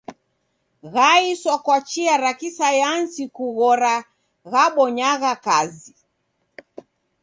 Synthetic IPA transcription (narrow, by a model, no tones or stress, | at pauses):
ɣaisɔkwat͡ʃiaɾakisajansikuɣɔɾa | ɣaɓɔɲaɣakazi